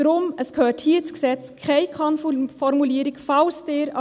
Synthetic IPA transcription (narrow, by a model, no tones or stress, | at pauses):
ɾʊməsɡ̥əhøːʈhiːt̪sɡsɛt̪skʰæɪkʰɑnffɔɾmʊliːɾɪɡfɑʊst̪eːɾɑ